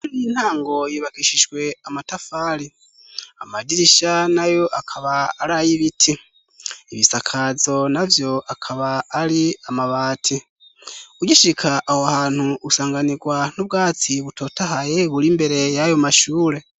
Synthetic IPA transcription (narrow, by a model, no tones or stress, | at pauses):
unijin̥haːŋɡo̞jiβakiʃiʒwe̞amatafaːɾi | amadiɾiʃanajo̞ʔakʰaβaːɾajiβitʰi | iβisakʰazo̞navjo̞akʰaβaːɾiamaβaːtʰi | uɟiʃikʰaʔːhoahaːn̥huusaːŋɡaniɡwan̥ubɡaːt͡siβuto̞ːtahajeβuɾimbe̞ɾe̞jajo̞maʃuːɾe̞